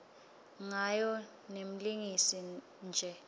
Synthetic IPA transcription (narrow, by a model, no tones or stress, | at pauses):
ŋajɔ | nem̩liŋisi | nd͡ʒʱɛ